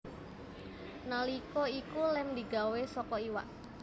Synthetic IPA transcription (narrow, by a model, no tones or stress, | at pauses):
nalikɔikulɛmd̪i̤ɡawesɔkɔiwa̰ʔ